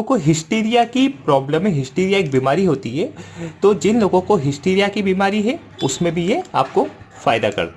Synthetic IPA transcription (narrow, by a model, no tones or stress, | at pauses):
koɦɪsʈeːɾijakipɾɔːbləmẽɦɪsʈeːɾijaeːk̚biːmaːɾiɦoːt̪iɦɛːt̪od͡ʒɪnloːɡõkoɦɪsʈeːɾijakibiːmaːɾiɦɛ | ʊsmẽbʱijea̰ːp̚ko | faːɪd̪akɐ̰ɾ